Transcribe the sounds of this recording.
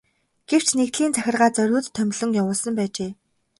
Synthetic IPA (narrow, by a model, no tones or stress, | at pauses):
ɡ̥ew̥t͡ɕnekt̪ɮiːnt͡sʰæxʲɪ̆rʁaːt͡sœɾʲʊːt̪ʰːœmʲɮɵ̆ŋjawʊːɮsə̆mpæːt͡ɕeː